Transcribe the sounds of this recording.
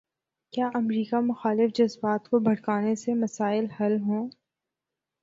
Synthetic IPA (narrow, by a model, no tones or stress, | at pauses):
kjaːʔɐmɾiːkamʊxaːlɪfd͡ʒɐzbaːt̪kobʱɐɽkaːnesemɐsaːɪlhɐlɦõː